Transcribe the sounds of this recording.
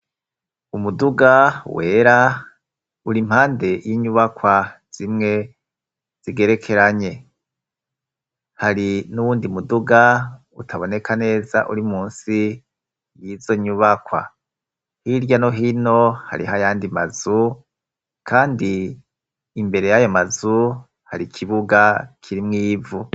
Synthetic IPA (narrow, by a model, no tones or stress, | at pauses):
umuduɡawe̞ːɾa | uɾim̥haːnde̞jiɲuβakwaz̥imŋe̞ | z̥iɡe̞ɾe̞kʰe̞ɾaɲe̞ | haɾinuβuːndimuduɡa | utʰaβo̞ne̞kʰane̞ːza̰ʔuɾimuːnsi | jizo̞ɲuβakwa̰ | hiɾɟano̞ɦino̞ha̰ɾḭɦajaːndima̰zu | kʰaːndiː | mbe̞ɾe̞jajo̞mazu | haɾikʰiβuɡakʰiɾimŋiːvu